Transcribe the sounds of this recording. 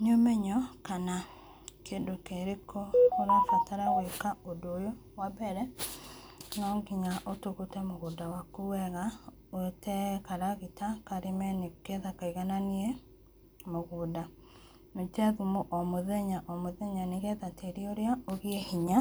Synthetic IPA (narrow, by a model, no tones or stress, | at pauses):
nomeɲɔkana | kendokeɾekʰooɾafɛtaɾawekaodojo | wabɛɾɛ | nɔŋɡiɲaʔotuɣutamoɣudawakuwɛɣa | otɛkaɾaɣitakaɾimɛnekɛðakaiɣananie | moɣuːda | notɛðumuʔɔmoðɛɲaʔɔmoðɛɲaneɣɛðateɾioɾeaoɣiehiɲa